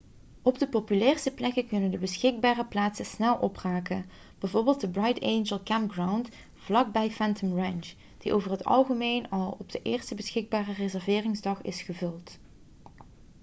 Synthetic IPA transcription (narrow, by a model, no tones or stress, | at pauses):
ɔbdəpopylɛːrstəplɛkəkɵnəndəbəsxɪɡ̚baːrəplaːtsəsnɛlˠʔɔpraːkən | b̥ɛjvoːɹbɪːlˠtdəbrɑjtejnʒəlˠkɛmpɡrawnt | v̥lɑɡ̚bɛjfɛntəmrɛnd͡ʒ | d̥iʔowvərɦətɑ̰lˠχəmejnɑlˠɔb̚d̥əʔɪːrstəbəsxɪɡ̚baːrərezɛɹvɪːrɪŋzdɑχɪ̰sχəvɵlˠt